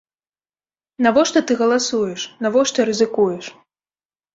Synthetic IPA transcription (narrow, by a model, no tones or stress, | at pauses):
navɔʂt̪ɔt̪ɨɣɐlˠasujɛʂnavɔʂt̪ɔɾɨzɨkujɛʂ